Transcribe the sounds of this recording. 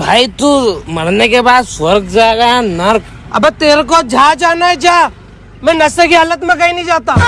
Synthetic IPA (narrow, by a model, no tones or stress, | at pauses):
bʱaːit̪umɐɽnekebaːd̪swɐɾɡd͡ʒaːɡɐjãnɐɾk | ɐ̰bet̪eːɾkod͡ʒʱad͡ʒaːnaɛd͡ʒaː | mɛ̃nɐsekiɦaːlət̪mẽkɐinəĩd͡ʒaːt̪aː